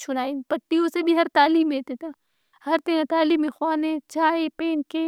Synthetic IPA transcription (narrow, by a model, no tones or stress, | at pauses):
t͡ʃʰʊnaːinpɐʈːijõsebʱiɦɐɾt̪aːliːmɦeːt̪et̪ʰaː | hɐɾt̪ẽãt̪aːliːmẽxwaːnẽt͡ʃaːepeːnkeː